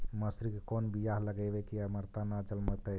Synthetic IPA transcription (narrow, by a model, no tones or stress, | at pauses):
məsɾikekonbijaɦləɡəbekiaməɾt̪anad͡ʒəlmət̪əj